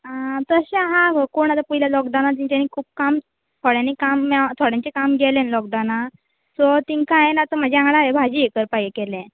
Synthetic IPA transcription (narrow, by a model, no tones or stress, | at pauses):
at̪əɕãɦãkoɳ̃at̪apuɦilalɔɡd̪awnat̪ĩɲt͡ɕ̪ãnikʰuːp̚kam | t̪ʰoɽjãnikamːɛt̪ʰoɽjãɲt͡ɕekamɡelẽnlɔɡd̪awna | sɔt̪iŋkãenat̪ɔm̤əd͡ʑeãŋɡɽaebʱad͡ʑiːekəɾpajekelɛ̃